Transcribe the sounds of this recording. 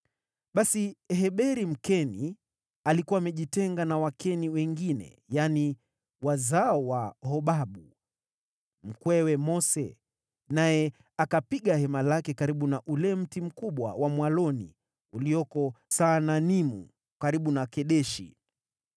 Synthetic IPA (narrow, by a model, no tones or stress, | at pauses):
ɓasiɦɛɓɛɾim̩kɛni | alikuwaːmɛʄitɛŋɡanawakʰɛniwɛŋɡinɛ̰ | jani | wazaɔwahɔɓaɓu | m̩kwɛwɛmɔsɛ̰ | najɛ | akapiɠahɛmalakɛkaɾiɓunaʔulɛm̩tim̩kuɓwa̰wamwalɔnḭ | uliɔkɔsananimṵ | kaɾiɓunakɛɗɛʃḭ